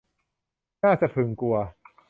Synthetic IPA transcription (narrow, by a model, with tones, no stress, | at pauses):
naː˥˩t͡ɕa˨˩ʔt̪ʰɯ˨˩ŋku˧ɐ